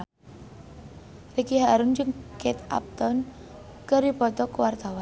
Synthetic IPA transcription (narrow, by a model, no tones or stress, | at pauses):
rikiɦaɾʊnd͡ʒɨŋket̪a̰p̚t̪ɔn | kəɾibɔt̪ɔkwart̪awan